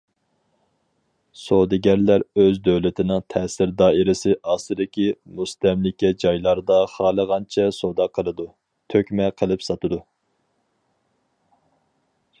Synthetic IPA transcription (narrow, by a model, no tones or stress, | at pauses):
sod̪ɪɡʲæɾlæɾøzd̪øwlɪt̪ʰɪnɨŋt̪ʰɛːsɪɾd̪ɑːiɾɪsɪʔɑːsɨd̪ɪkʲimust̪ɛmlɪkʲɛd͡ʒɑjlˠɑɾd̪ɑχɑːlˠəʁɑnt͡ʃʰɛsod̪ɑqʰːəlˠɨd̪u | t̪ʰøkʲmɛqʰəlˠɨpsɑt̪ɨd̪u